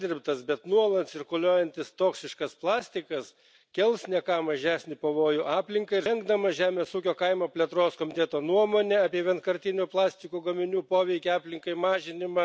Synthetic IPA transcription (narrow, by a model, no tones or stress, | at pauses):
d̪ʲɪɾʲpt̪ɐsbʲɛt̪nuɔlˠɐt̪sʲɪɾkʊlʲoːjɛnʲt̪ʲɪst̪oːksʲɪʃkɐsplˠɑːsʲt̪ʲɪkɐs | kʲɛlˠsnʲɛkɑːmɐʒʲæːsʲnʲɪpɐʋoːjʊʔɑːpʲlʲɪŋkɐɪɪɾɛŋɡd̪ɐmɐʒʲæːmʲeːsuːkʲoːkɐɪmɐpʲlʲɛt̪ɾoːskoːmʲɪt̪ʲɛːt̪oːnuɔmoːnʲɛɑːpʲiɛʋʲiɛnt̪kɐɾʲt̪ʲɪnʲʊplˠɑːsʲt̪ʲɪkuːɡɐmʲɪnʲuːpoːʋʲɛɪkʲɛɑːpʲlʲɪŋkɐɪmɑːʒʲɪnʲɪmɐ